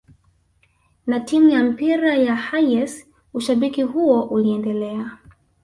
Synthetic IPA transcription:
natimujam̩piɾajahajɛs | uʃaɓikiɦuɔʔuliɛndɛlɛa

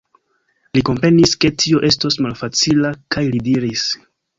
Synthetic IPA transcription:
liko̞mpɾe̞niske̞tʰio̞ʔe̞stosmalfat͡silakajlidiɾis

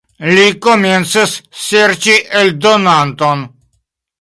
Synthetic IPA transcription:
likoment̪sisːeɾt͡ʃiʔeld̪onant̪on

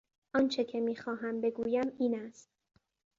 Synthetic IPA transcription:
ʔɒːnt͡ʃʰe̞cʰemiːxɒːɦæmbe̞ɡuːjæmiːnæst̪̚

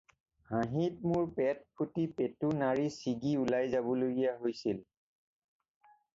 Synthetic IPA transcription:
hãɦit̚mʊɹpɛt̚pʰutipetunaɹisiɡiulajzabɔloɡijaɦojsil

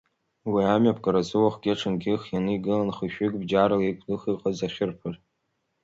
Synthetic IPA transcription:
wiamɥapʰʼkʼaɾazɨwaχʷɡʲeʈ͡ʂʰɨnɡʲɪχjanɨiɡɨlanχɨʃᶣɪkʼbd͡ʒaɾɨlikʷʰlɨχiqʼazaχʲɪrpʰɨr

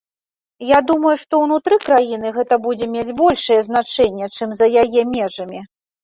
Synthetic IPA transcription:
jad̪umɐjuʂt̪ɔwnut̪ɾɨkɾajin̪ɨɣɛt̪ɐbud͡zʲɛmʲed͡zʲbɔlʲʂɐjɛzn̪at͡ʂɛnʲːɛt͡ʂɨmzɐjajɛmʲɛʐɐmʲi

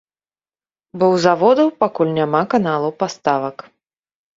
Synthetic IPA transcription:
bɔwzavɔd̪ɐwpakulʲnʲamakanalˠɐwpast̪avɐk

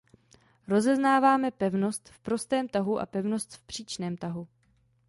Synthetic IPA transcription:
ɾo̞zɛznaːvaːmɛpɛvno̞st̪fpɾo̞st̪ɛːmt̪aɦuʔa̰pɛvno̞st̪fpr̥iːt͡ʃnɛːmt̪aɦu

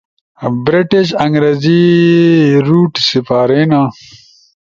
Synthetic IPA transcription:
bɾiʈiɕɐŋɡɾezi | ɾuːʈsipaːɾeːna

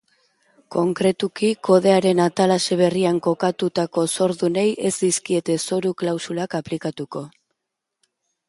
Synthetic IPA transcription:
ko̞ŋkɾe̞t̪ukiko̞ð̞e̞aɾe̞nat̪alase̞βe̞riaŋko̞kat̪ut̪ako̞so̞ɾðune̞jʔe̞zd̪iskie̞t̪e̞so̞ɾuklawsulakaplikat̪uko̞

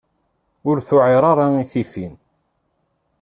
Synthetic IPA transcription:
ʊɾθʊʕɪɾˤɑɾˤɑiθifin

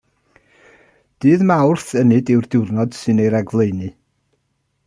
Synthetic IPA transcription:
d̥ɨːðmawrθənɨdɪwrdɪwrnɔd̥sɨnejɾɛɡvlˠejnɨ

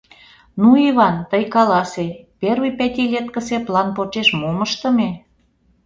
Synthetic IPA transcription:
nuiβɑnt̪əjkɑlɑseperβipæt̪ʲilʲet̪̚kə̆seplɑnpot͡ʃeʃmuməʃt̪ə̆me

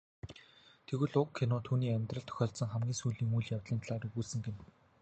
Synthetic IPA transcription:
t̪ʰeɣɘ̆ɮʊkʰːinɔːt̪ʰuːniːæmʲt̪rə̆ɬt̪ʰœ̥xʲɔːɮt̪sə̆ŋχæmɡʲiːŋsuːjɮiːŋuːjɮjawt̪ɮiːnt̪ʰɮaːɾiɣuːɮsɘ̆ŋɡen

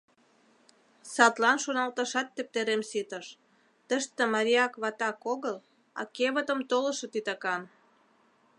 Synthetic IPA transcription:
sɑt̪lɑnʃonɑlt̪əʃɑt̪ːĕp̚t̪eɾemsit̪əʃ | t̪əʃt̪ĕmɑɾʲiɑkβɑt̪ɑkoɣəl | ɑ̰keβət̪ə̆mt̪olə̆ʃɤ̆t̪it̪ɑkɑn

